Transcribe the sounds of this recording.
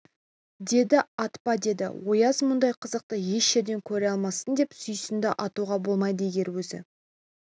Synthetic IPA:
d̪e̞d̪ɪɑt̪pɑd̪e̞d̪ɪ̰wo̞jɑzmʊnd̪ɑjqʰəzəq̚t̪əje̞ʃːeɾd̪e̞ŋkʲʰɵɾeɑlˠmɑsənd̪e̞psʏjsɪnd̪ɪʔɑt̪uʁɑbo̞lˠmɑjd̪əeɡʲe̞ɾwɵzɪ̰

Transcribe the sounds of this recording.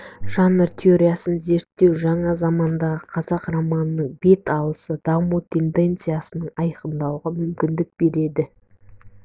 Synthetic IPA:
ʒ̥ɑnːəɾt̪ʲʰeoɾʲijasənze̞ɾt̪ːe̞wʒɑɴɑzɑmɑnd̪ɑʁəqʰɑzɑqramɑnənəɴbe̞t̪ɑlˠəsəd̪̥ɑmut̪ʰe̞nd̪e̞nt̪sɨjasənəɴɑjqənd̪ɑwʁɑmʏmkʲɪnd̪ɪk̚b̥e̞ɾe̞d̪ɪ

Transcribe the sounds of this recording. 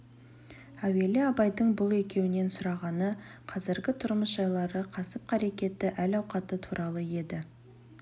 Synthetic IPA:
æwe̞lɪɑbɑjd̪əɴbʊlˠe̞kʲe̞wɪne̞nsʊɾɑʁɑnə | qʰɑzɪɾɡʲɪt̪ʰʊɾməsʒ̥ɑjlˠɑɾəqʰɑsəp̚qʰɑɾe̞kʲe̞t̪ːɪʔælɑwqɑt̪ət̪ʰuɾʔɑlˠəje̞d̪ɪ

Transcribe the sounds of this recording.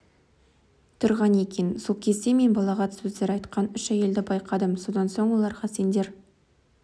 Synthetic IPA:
t̪ʰʊɾʁɑne̞kʲe̞nsolˠkʲʰe̞zt̪e̞me̞nbɑlˠɑʁɑt̪sɵzd̪e̞ɾɑjt̪qɑnʏʃæje̞ld̪ɪbɑjqʰɑd̪əmso̞d̪ɑnso̞ɴwo̞lˠɑɾʁɑse̞nd̪e̞ɾ

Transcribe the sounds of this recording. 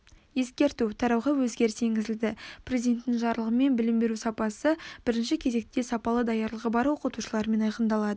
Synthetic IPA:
je̞skʲe̞ɾt̪ut̪ʰɑɾɑwʁɑwɵzɡʲe̞ɾɪsʰe̞ŋɡʲɪzɪld̪ɪprʲe̞zʲid̪e̞nt̪ːɪŋʒɑɾlˠəʁəme̞nbɪlɪmbe̞ɾusɑpɑsəb̥ɪɾɪnʃɪkʲʰe̞ze̞k̚t̪ːe̞sɑpɑlˠəd̪ɑjɑɾlˠəʁəbɑɾwo̞qət̪uʃəlˠɑɾme̞nɑjqənd̪ɑlˠɑd̪ə

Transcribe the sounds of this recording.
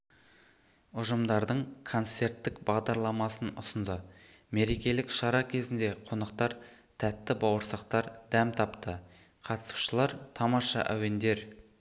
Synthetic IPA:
ʊʒəmd̪ɑɾd̪əɴkʰo̞nt̪se̞rt̪ːɪkbɑʁd̪ɑɾlˠɑmɑsənʊsənd̪ə | me̞ɾe̞kʲe̞lɪkʃɑɾɑkʲʰe̞zɪnd̪e̞qʰo̞nɑqt̪ɑɾ | t̪ʰæt̪ːɪbɑwəɾsɑqt̪ɑɾd̪æmt̪ʰɑpt̪ə | qʰɑt̪ə̥su̥ʃəlˠɑɾt̪ʰɑmɑʃɑ̰ʔæwe̞nd̪e̞ɾ

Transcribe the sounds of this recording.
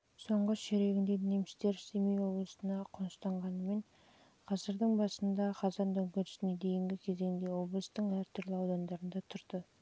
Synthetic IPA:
so̞ɴʁəʃeɾe̞ɡʲɪnd̪e̞ne̞mɪst̪e̞ɾsemijwo̞blˠəsənɑqʰonəst̪ɑɴʁɑnəme̞ɴ | qʰɑzəɾd̪əɴbɑsənd̪ɑqʰɑzɑnd̪ɵŋkʲeɾɪ̥sɪne̞d̪e̞jɪŋɡʲɪkʲʰe̞ze̞ŋd̪e̞wo̞blˠəst̪əɴæɾt̪ʰʏɾlɪɑwd̪ɑnd̪ɑɾənd̪ɑt̪ʰʊɾd̪ə

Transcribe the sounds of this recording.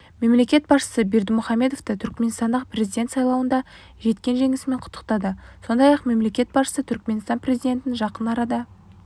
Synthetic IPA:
me̞mle̞kʲe̞t̪̚bɑsʃə̥səbe̞ɾd̪ɪmʊχɑmːe̞d̪o̞ft̪ət̪ʰʏɾkme̞nst̪ɑnd̪əq̚prʲe̞zijd̪ʲe̞nt̪sɑjlˠɑwənd̪ɑ | ʒe̞t̪kʲe̞nʒe̞ŋɪsɪme̞ɴqʰʊ̥t̪ːəq̚t̪ɑd̪əso̞nd̪ɑjɑqme̞mle̞kʲe̞t̪̚bɑsʃə̥sət̪ʰʏɾkme̞nst̪ɑnprʲe̞zijd̪ʲe̞nt̪ɪnʒɑqənɑɾɑd̪ə

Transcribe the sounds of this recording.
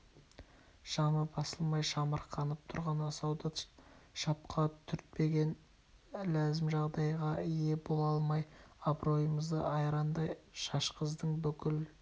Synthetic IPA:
ʃɑməbɑsəlˠmɑjʃɑməɾqʰɑnəp̚t̪ʰʊɾʁɑnɑsɑwd̪ɑʃɑp̚qʰɑt̪ʰʏɾt̪̚pe̞ɡʲe̞n | læzɪmʒɑʁd̪ɑjʁɑije̞bo̞lˠɑlˠmɑjɑbɾo̞jəməzd̪ə̰ʔɑjɾɑnd̪ɑjʃɑʃqəzd̪əɴbʏkʲɪl

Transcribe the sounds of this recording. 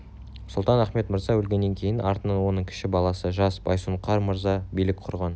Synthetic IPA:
sʊlˠt̪ɑnæχme̞t̪məɾzɑwɵlɡʲe̞nːe̞ŋkʲʰejɪnʔɑɾt̪ənɑnwo̞nəɴkʲʰɪ̥ʃɪbɑlˠɑsəʒɑsbɑjsuɴqʰɑɾməɾzɑbijlɪkqʰʊɾʁɑn

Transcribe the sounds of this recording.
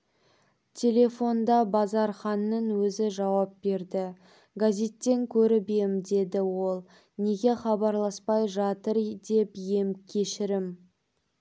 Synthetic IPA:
t̪ʲʰe̞lʲe̞fo̞nd̪ɑbɑzɑɾχɑnːəɴwɵzɪʒɑwɑp̚be̞ɾd̪ɪ | ɡazʲe̞t̪ːe̞ŋkʲʰɵɾɪbemd̪e̞d̪ɪwo̞lˠ | ne̞ɡʲe̞χɑbɑɾlˠɑspɑjʒɑt̪əɾd̪e̞pje̞mkʲʰe̞ʃɪɾɪm

